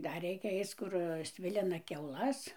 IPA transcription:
ˈdɐr ˈrʲɛɪkʲɛ ˈɐɪt͡s ˈkʊr ˈsʲʋʲɪlʲɪnɐ kʲɛʊˈlˠɐs

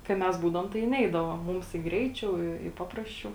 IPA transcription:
kɐɪ ˈmʲɛs ˈbuːdɐʋoːm tɐɪ ˈnʲɛɪdɐʋoː ˈmʊms ɪ ˈɡrʲɛɪˌt͡ʃʲɛʊ ɪ ɪ ˈpɑːprɐsʲˌt͡ʃʲɛʊ

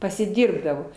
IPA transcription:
pɐsʲɪˈdʲɪrbdɐʋoː

